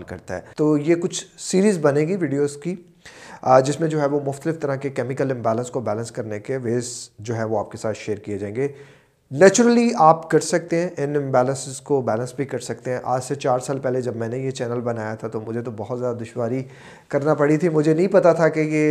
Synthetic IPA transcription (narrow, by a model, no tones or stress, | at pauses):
lkɐ̰ɾt̪aɦɛ̰ːt̪oːjekʊt͡ʃʰsiːɾiːzbɐnẽːɡiʋiːɖijoːzkiː | d͡ʒɪsmẽd͡ʒoːɦɛʋomʊxt̪əlɪft̪ɐɾakekɛːmɪkəlɪ̃mbɛːlə̃nskobɛːlə̃nskɐɾnekeʋeːzd͡ʒoːɦɛʋoaːp̚kesaːt̪ʃeːɾkied͡ʒaːẽŋɡe | nɛːt͡ʃʊɾəliaːpkɐɾsɐk̚t̪ẽɦɛ̃ʔɪnɪ̃mbɛːlə̃nsɪzkobɛːlə̃nsbʱikɐɾsɐk̚t̪eɦɛ̃ʔaːd͡ʒset͡ʃaːɾsaːlpɛɦled͡ʒɐbmɛ̃ːnejet͡ʃɛːnəlbɐnaːjat̪ʰat̪omʊd͡ʒʱet̪obɔɦɔt̪zjaːd̪ad̪ʊʃwaːɾi | kɐɾnapɐɽit̪ʰimʊd͡ʒʱenɐ̃ɦĩpɐt̪at̪ʰakeje